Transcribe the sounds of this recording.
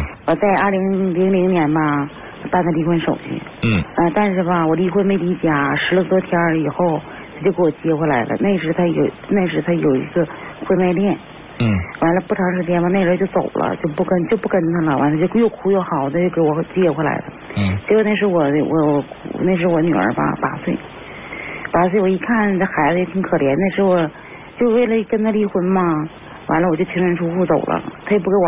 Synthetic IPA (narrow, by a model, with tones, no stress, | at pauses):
wɔ˨˩t͡sa˥˧ɪaɐ˞˥˩li˧˥ŋli˧˥ŋli˧˥ŋnjɛ˧˥nbɐ˧ | pa˥˧nd̪a˩li˧˥xwə˥nʂo˨˩ʊt͡ɕy̰˧˥˩ə˧t̪a˥˧nʂɻ̩˥˩bɐ˩wɔ˨˩li˧˥xwme˥ɪli˧˥t͡ɕja˨˩ʂɻ̩˧˥lə˧t̪wɔ˧˥t̪ʰjɑ˧˥i˨˩xo˥˩ʊ | t̪ʰa˥t͡ɕo˥˧ke˧˥wɔ˨˩t͡ɕi˧˥jɛ˧kʰwɔ˧˥la˧˥ɪlʔə̰˧ne˥˩ɪʂɻ̩˧˥t̪ʰa˥jo̰˨˩ʊne˥˩ɪʂɻ̩˧˥t̪ʰa˥jo˨˩ʊḭ˧˥s̩˥˧xwe˥˧ma˥˧ɪljɛ˥˩n | wa˧˥nlə˧pu˥˩ʈ͡ʂʰɑ˧˥ŋʂɻ̩˧˩t͡ɕjɛ˥nba˧n˥˩ʈ͡ʂɻo˧˥˧t͡ɕjo˥˩ʊt͡so̰˨˩ʊlʔə̰˦t͡ɕjo˥˧ʊpu˥˩kə˥nt͡ɕjo˥˧ʊpu˥˩kə˥nt̪ʰa˥˩lə˨wʔa̰˧˥ntt͡ɕjʊjo˥˩kʰu˨˥jo˥˩ʊxɑ˨˩˦ʊt̪ə˧t͡ɕjo˥˩ʊke˧˥ɪwɔ˨˩t͡ɕjɛ˥˩kʰwɔ˧˥la̰˧˥ɪlə̰˧t͡ɕɛ˧˥o˧˥ne˥˩ʂ̬ɻ̩˧˥wɔ˨˩wʔɔ̰˧˥wɔ˧˩kʰṵ˨˩ne˥˩ɪʂ̬ɻ̩˧˥wɔ˧˦ny̰˨˩ə̰˞˧˥ba̰˧pa̰˨˥swe˥˩ɪ | pa˨˩swe˥˩ɪwɔ˨˩i˧˥kʰa˥˩nʰ˧a˥˩xa˧˥ɪd͡zə˧jɛ˧˩t̪ʰi˧˥ŋkʰɤ˨˩ljɛ˧˥nne˥˩ɪʂɻ̩˧˥wɔ˨˩ | t͡ɕjo˥˧ʊwe˥˩ɪlə˩˥kə˥nt̪ʰa˥˧li˧˥xwə˧˥nmɐ˧ | wa̰˧˥nlə˧wɔ˨˩t͡ɕjo˥˧ʊt͡ɕʰi˥ŋɻə˧˥nʈ͡ʂʰu˥xu˥˧˩t͡so˨˩ʊlʔə̰˦t̪ʰa˥˩jɛ˨˩p̬u˥˩ke˧˥ɪ˨˩